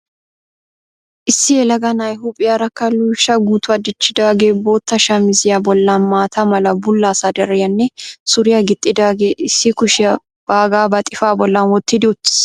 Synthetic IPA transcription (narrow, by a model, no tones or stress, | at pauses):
ʔɪsːɪjɛlɐɡɐnajɦʊpʼɪjɐɾɐkːɐluʃɐɡuːt̪ʊɐd̪ɪt͡ʃːɪd̪aːɡeːbo̞ːt̪ːɐʃɐmɪzɪjɐbɔlːaːnmaːt̪ʰɐmɐlɐbʊlːaːsɐd̪ɐɾɛjɐnːɛsʊɾɪjɐɡɪt̪ʼːɪd̪aːɡeːʔɪsːɪkʊʃɪjɐ | b̥aːɡaːbɐt̪ʼɪfaːbɔlːanwɔt̪ːɪd̪ɪʊt̪ːɪ̥s